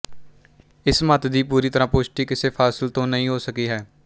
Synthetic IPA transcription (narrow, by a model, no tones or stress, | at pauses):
ɪsmət̪d̪iːpuːɾiːt̪əɾãːpʊʃʈiːkɪseːpʰaːsɪlt̪õːnəɦĩːɦoːsəkiːɦɛː